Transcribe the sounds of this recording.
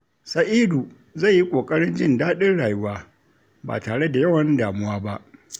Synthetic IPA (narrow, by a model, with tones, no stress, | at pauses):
sɐ˨ʔiː˦du˨ | za˦˨jji˦kʷʼoː˨kʼɐ˦ɽɪ˦nd͡ʒɪ˦ndaː˦ɗɪ˦rɽaː˨jʊ˦waː˦ | ba̰ː˨taː˨ɽe˦da˨jɐ˦wɐ˨ndaː˨mʊ˦waː˦ba˦ʔ